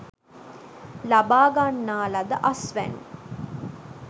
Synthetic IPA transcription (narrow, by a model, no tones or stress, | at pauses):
labaːɡanːaːlad̪əʔasʋæ̰n̰